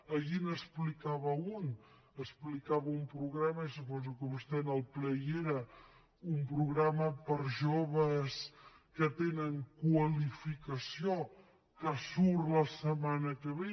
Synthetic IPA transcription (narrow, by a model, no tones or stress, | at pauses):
əʎinəsplikaβəun | əsplikaβəumpɾuɣɾaməisupɔzukəust̪ɛnəlˠplɛjeɾə | umpɾuɣɾaməpəɾʒoβəs | kət̪enəŋkwəlifikəsio | kəsuɾləsəmanəkəβe